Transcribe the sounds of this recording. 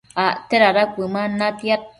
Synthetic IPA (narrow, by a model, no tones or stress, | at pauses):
aʔt̪eɾaɾakʷɨmanat̪iat̪̚